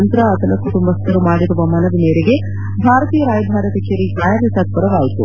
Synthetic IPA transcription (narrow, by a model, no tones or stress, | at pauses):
ɐnt̪ɾɐɐt̪ɐlɐkːut̪umbɐst̪ɐɾumaːɽiɾuʋɐmɐnɐʋimeːɾeɡe | bʱaːɾɐt̪iːjɐɾaːjɐbʱaːɾɐt̪ɐkʰɐɾid͡ʒaːjaɾjɐsaːd̪̚pɐɾɐʋaːjt̪ṵ